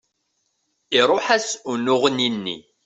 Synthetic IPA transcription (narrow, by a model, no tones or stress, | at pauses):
iɾˤoħæsunʊʁəninːḭ